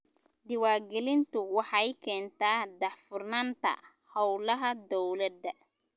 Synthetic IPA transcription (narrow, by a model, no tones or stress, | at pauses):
d̪ɪwaːɡɛlɪnt̪ʊwɑħɑjkʰɛːnt̪aːdɑħfʊrnɐnt̪ɐ̰ | hɐwlɐɦɐd̪ɔwlɐd̪ɐ